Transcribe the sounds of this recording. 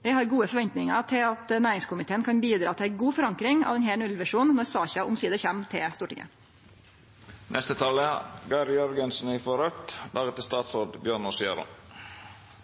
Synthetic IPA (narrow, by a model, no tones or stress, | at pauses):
ʋɪhɑɾɡuːəfɔɾʋɛnt̪nɪŋɑ̰t̪ʰɪlɑt̪næːɾɪŋskʊmɪt̪ʰeːənkʰɑnbiːd̪ɾɑːt̪ʰɪlæɪɡuːfɔɾɑŋkɾɪŋɑ̰ʋɛnheːɳʉlʋæʂuːnnɔɾsɑːçɑʔʊmsiːd̪əçɛmt̪ʰɪlst̪uːʈɪ̰ŋʔə̰ | nʔɛst̪ət̪ʰɑləɡɑɪɾjœɾɡənsn̩ɪfɔɾœt̪lɑːɡət̪ʰːɪlst̪ɑːt̪sɾoːd̪bjøːɳɔsḛːɾo̰